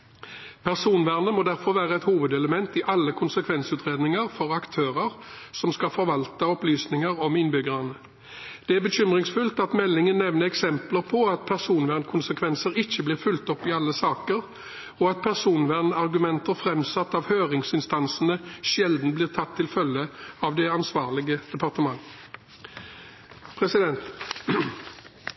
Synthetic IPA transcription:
pʰæʁsuːnʋæʁnəmɔd̪æʁfɔɾʋæːʁəɛt̪huːʋəd̪ɛləmɛnt̪ɪʔɑlːəkʰʊnsəkʰʋɛnsʉːt̪ʁeːd̪nɪŋəʁfɔʁɑkt̪ʰøːʁəʁsɔmskɑfɔɾʋɑlt̪əɔplyːsnɪŋəʁɔmɪnbʏɡəʁɑnə | d̪̥ɛæʁbəɕʏmʁɪŋsfʉlt̪ɑt̪mɛlːɪŋənːɛʋnəɛksɛmpləʁpʰɔɑt̪̚pʰæʁsuːnʋæʁnkʰʊnsəkʰʋɛnsəɾɪçːəbliːʁfʉlt̪ɔpːɪɑlːəsɑːkəʁ | ɔɑt̪̚pʰæʁsuːnʋæʁnɑʁɡʉmɛnt̪əʁfʁɛmsɑt̪ːɑʋhøːʁɪŋsɪnst̪ɑnsənəʃɛld̪n̩bliːʁt̪ʰɑt̪ʰːɪlfœlːəɑʋd̪ɛɑnsʋɑːʁlɪɡəd̪̥ɛpʰɑʁt̪əmɑŋ | pʰʁɛsɪd̪ɛnt̪

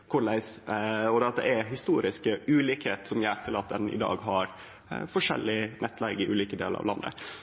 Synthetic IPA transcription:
kʰʊɭæɪsɔd̪ɛɑt̪̚d̪ɛ̰ʔæɾɦɪst̪uːɾɪskəʉːliːkheːt̪sɔmjææt̪ʰːəlɑːt̪ːɛnɪ̰d̪ɑ̰ːɡɦɑɾ | fɔʂɛ̰lːɪnʔɛt̪ːlɛɡɪʔʉ̰ːliːkəd̪eːlə̰ɾʔɑ̰ʋlɑ̰nːə̰

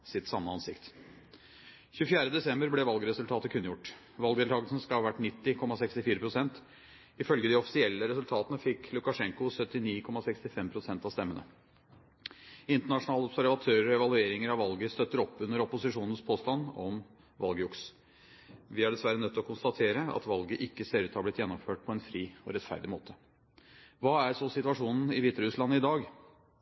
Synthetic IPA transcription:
sɪt̪sɑmːəɑnsɪ̰kt̪ | çʉːfjæːɾəd̪ɛsɛmbəɾblɛʋɑlɡəɾɛsʉlt̪ʰɑːt̪əkʰʉnːjʊʈː | ʋɑlɡd̪ɛlʰɑːɡəlsən̩skɑhɑʋæʈːnɪt̪ːɪkʰɔmːɑsɛkst̪ɪfiːɾəpʰɾʊsɛnt̪ | ɪfœlɡəd̪ɪɔfɪ̥sɪɛlːəɾɛsʉlt̪ʰɑːt̪ənəfɪkʰlʊkɑʂɛŋkʊsœt̪ːɪniːkʰɔmːɑsɛkst̪ɪfɛmpʰɾʊsɛnt̪ɑst̪ɛmːənə̰ | ɪnt̪əɳɑʂʊnɑːlɔbsæɾʋɑt̪ʰøːɾəɾɛʋɑlʉeːɾɪŋəɾɑʋɑlɡəst̪œt̪ːəɾɔpːʉnːəɾɔpʊsɪʂuːnən̩spʰoːst̪ɑnɔm | ʋɑlɡəʊks | ʋɪæɖɛsʋæɾənœt̪ːɔkʰʊnst̪ɑt̪ʰeːɾəɑ̰t̪ʋɑlɡəʔɪkːəseɾʉt̪hɑblɪt̪jɛnːɔmføːʈ̚pʰɔɛnfɾiːɔ̰ɾɛt̪fæ̰ɾɖ̪ɪmoːt̪ʰə | ʋɑːæɾsɔsɪt̪ʉɑʂuːnn̩ɪʋiːt̪əɾʉslɑnːɪd̪ɑːɡ

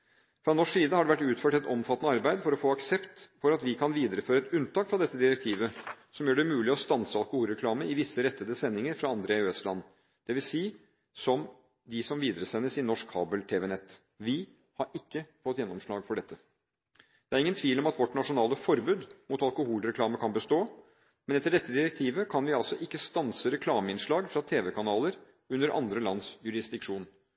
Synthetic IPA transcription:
fɾɑnɔʂsiːd̪əhɑɖɛʋæʈːʉːt̪føːʈɛt̪ɔmfɑt̪ːənəɑɾbæɪd̪fɔɾɔfoːɑksɛpt̪fɔɾɑt̪ʋɪkʰɑnʋiːd̪əɾəføːɾəɛt̪ʉnt̪ɑːkfɾɑd̪ɛt̪ːəd̪ɪɾɛkt̪ʰiːʋəsɔmjøːɖɛmʉːlɪɔst̪ɑnsəɑlkʊhuːlɾɛkʰlɑːməɪʋɪsːəɾɛt̪ːəd̪əsɛnːɪŋəɾfɾɑɑnd̪ɾəeʉːɛslɑnː | d̪̥ɛʋɪlsiː | sɔm | d̪ɪsɔmʋiːd̪əɾəsɛnːəsɪnɔʂkhɑ̰ːbəlt̪ʰeːʋeːnɛt̪ː | ʋɪ | hɑɾɪkːəfɔt̪ːjɛnːɔmʂɭɑːɡfɔɖɛt̪ʰːə | d̪̥ɛæɾɪŋːənt̪ʰʋiːlɔmɑt̪ʋɔʈːnɑʂʊnɑːləfɔɾbʉːd̪mʊt̪ɑlkʊhuːlɾɛkʰlɑːməkʰɑnbəst̪oː | mɛnɛt̪ːəɖɛt̪ːəd̪ɪɾɛk̚t̪ʰiːʋəkʰɑnʋɪɑlsɔʔɪkːəst̪ɑnsəɾɛkʰlɑːməɪnʂɭɑːɡfɾɑt̪ʰeːʋɛkʰɑnɑːləɾ | ʉnːəɾʔɑ̰nd̪ɾəlɑnsjʉɾɪsd̪ɪkʂuːn

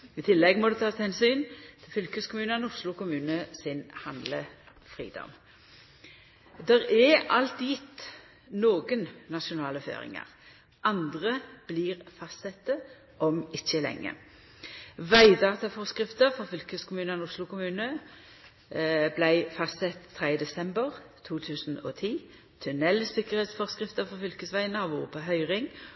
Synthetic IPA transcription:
ɪt̪ʰɪlːɛɡmɔd̪ɛt̪ʰɑːst̪hɛnsyːnt̪ʰɪlfʏlkəskʰʊmʉːnənʊslʊkʰʊmʉːnəsɪnhɑnd̪lə̰ | fʁḭːd̪ɔ̰m | d̪ɛʁɛɑlt̪jɪt̪ | noːɡənnɑʃʊnɑːləfø̰ːʁɪ̰ŋə̰ʁ | ʔɑnd̪ʁəb̥liːʁfɑst̪sɛt̪ːə | ʔɔmɪçːəlɛ̰ŋːə̰ | ʋæɪd̪ɑːt̪ɑfɔʁskʁɪft̪əʁfɔfʏlkəskʰʊmʉːnənʊslʊkʊmʉːnə | blæɪfɑst̪sɛt̪ʰːʁɛɪəd̪ɛsɛmbəʁt̪ʰuːt̪ʰʉːsnɔ̰ːt̪ʰiː | t̪ʰʉnɛlsɪkəʁheːt̪sfɔʁskʁɪft̪əfɔʁfʏlkəsʋæɪənəɑʋuːʁəpʰoːɦœʏʁɪŋ

